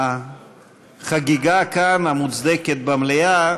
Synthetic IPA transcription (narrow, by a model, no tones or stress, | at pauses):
χaɡiɡakanamut͡sd̪eket̪̚bamleja